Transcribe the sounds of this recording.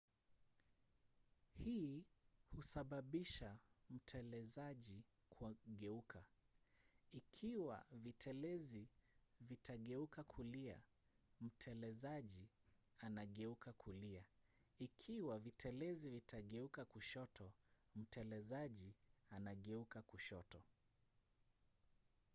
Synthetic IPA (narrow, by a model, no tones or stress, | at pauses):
hiːhusaɓaɓiʃam̩tʰɛlɛzaʄi | kʰaɠɛukʰa | ikʰiwa̰vitʰɛlɛzivitʰaɠɛukakʰulia̰ | m̩tʰɛlɛzaʄi | anaɠɛukakʰuliaikʰiwavitʰɛlɛzivitʰaɠɛukakuʃɔtʰɔ | m̩tɛlɛzaʄianaɠɛukakuʃɔtɔ